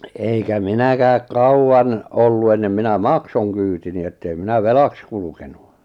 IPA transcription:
eikæ minækæːk kɑuwɑn olːu enːem minæ mɑksoŋ kyːtini etːei minæ ʋelɑks kulukenu

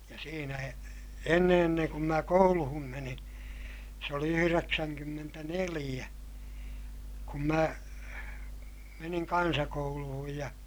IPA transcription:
jɑ siːnæ e enːe enːeŋ kum mæ kouluhum menin̞ se oli yhyreksæŋkymːentænelij̆æ kum mæ meniŋ kɑnsɑkouluhuj jɑ

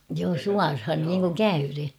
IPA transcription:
joː suɑrhɑn niːŋkuŋ kæyren̞

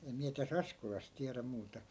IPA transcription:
em miæ tæs ɑskolɑs tiæræ muːtɑ

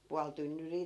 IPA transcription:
puɑl tynːyriː

